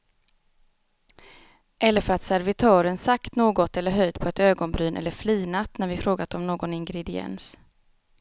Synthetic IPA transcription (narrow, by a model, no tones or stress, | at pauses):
ʔɛlːəɾfœɾat̪sæɾvɪt̪ʰœːɾənsakt̪noːɡɔt̪ɛlːəɾɦœjd̪pʰɔɛt̪øːɡɔnbɾyːnʔɛ̰lːəɾfliːnat̪ːnæɾvɪfɾoːɡat̪ɔmnoːɡɔnɪŋɡɾɛd̪ɪɛ̰ns